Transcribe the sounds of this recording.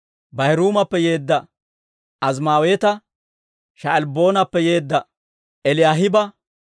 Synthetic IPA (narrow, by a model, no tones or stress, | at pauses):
bɐhɪɾuːmɐpːɛje̞ːd̪ːɐ | ɐz̬maːwe̞ːt̪ɐ | ʃɐɛlbo̞ːnɐpːɛje̞ːd̪ːɐ | ɛlɪjaːɦɪbɐ